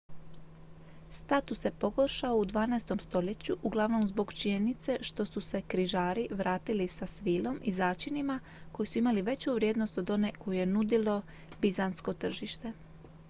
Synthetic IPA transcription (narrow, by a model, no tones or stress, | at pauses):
st̪at̪usje̞po̞ɡo̞ɾʃaoud̪ʋaːnaest̪o̞mst̪o̞ʎe̞t͡ɕuʔuɡlˠaʋno̞mzbo̞ɡt͡ʃiɲe̞nit̪se̞ʃt̪o̞suse̞kɾiʒaːɾiʋɾʔaːt̪ilisasʋiːlˠo̞mʔizaːt͡ʃinima | ko̞jisuimaliʋe̞t͡ɕuʋɾʲjed̪no̞st̪od̪o̞ne̞ko̞juje̞nud̪ilo̞ | bizansko̞t̪r̩ʒiʃt̪e̞